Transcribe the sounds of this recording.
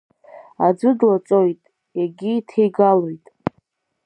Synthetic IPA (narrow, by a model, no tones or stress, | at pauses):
ad͡zɨdlat͡sʼo̞jtʼ | jaɡʲiːtʰejɡalojtʼ